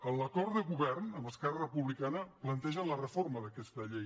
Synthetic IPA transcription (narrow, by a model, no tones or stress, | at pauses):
ələkɔrt̪d̪əɣuβɛrnəmbəskɛrərəpuβlikanəplənt̪ɛʒənlərəforməðəkɛst̪əʎej